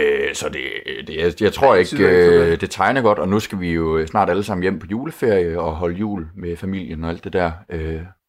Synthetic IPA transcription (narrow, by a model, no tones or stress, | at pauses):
øsɒ̽d̥e̝d̥ejɑ̈ɪt͡sʰʁo̝ɐ̰e̝ɡ̥ød̥e̝t͡sʰɑ̈ɪnəɡ̥ɒ̽d̥ɒ̽nusɡ̥æʋijo̝snɑ̰̈ːɾ̥æləsɑ̈m̰n̩jem̰pʰɒ̽juːləfe̝ɐ̰jəɒ̽ɦɒ̽ləjṵːlmefæmil̰jənɒ̽æld̥e̝d̥æɐ̰ʔø